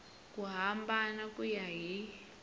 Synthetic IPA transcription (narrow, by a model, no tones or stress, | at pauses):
kʼuɦambanakʼujaɦi